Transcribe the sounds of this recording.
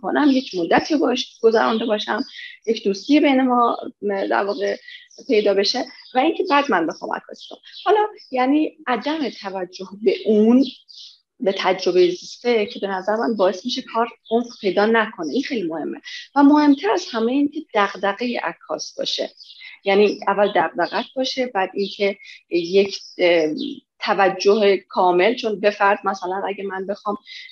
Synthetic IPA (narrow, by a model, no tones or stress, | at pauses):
ko̰næmje̞cʰmod̪ːæt̪ʰiːobɒːeʃɡ̥ozæ̰ɾɔ̰nd̪ebɒːʃæmjecʰd̪ust̪ijebe̞jnemɒːd̪æ̰ɾvɒːɣe | pʰe̞jd̪ɒːbe̞ʃevæincʰe̞bæd̪mænbe̞xɒ̰ːmʔæ̰kʰɒ̰ːsi̥d̪ʰomhɒlɒːjæniːʔæd̪æmet̪ʰævæd͡ʒːohbe̞ʔun | be̞t̪ʰæd͡ʒɾo̞be̞jezist̪ecʰe̞be̞næzæɾemænbɒːe̞st̪miʃekʰɒːɾunpʰe̞jd̪ɒːnækʰo̞neinxejlimohe̞mːe̞væmohe̞mt̪ʰæɾæshæme̞jeiːncʲʰe̞d̪̥æɣd̪æɣejḛʔæ̰kʰːɒ̰ːsbɒ̰ːʃḛjæːniːævːæld̪æɣ̚d̪æɣæt̪̚ʰbɒːʃe̞bæd̪iŋcʰejecʰ | t̪ʰævæd͡ʒːoɦekʰɒːme̞lt͡ʃʰo̞nbe̞fæɾd̪mæsælænʔæɟemænbe̞xɒːm